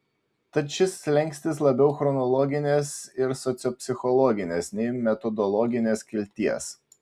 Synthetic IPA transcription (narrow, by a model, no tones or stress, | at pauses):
t̪ɐt̪ʃʲɪslʲɛŋʲkʲsʲt̪ʲɪslˠɐbʲɛʊxɾɔnɔlˠɔɡʲɪnʲeːsɪɾsɔt̪sʲɔpʲsʲɪxɔlˠɔɡʲɪnʲesnʲɛɪmʲɛt̪ɔd̪ɔlˠɔɡʲɪnʲeːskʲɪlʲt̪ʲiɛs